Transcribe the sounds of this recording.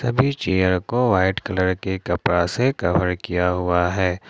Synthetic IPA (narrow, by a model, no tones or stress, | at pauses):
sɐbʱit͡ʃeːjəɾkoʋaːɪʈkɐləɾkekɐpɾasekɐʋəɾkijaɦʊaɦɛː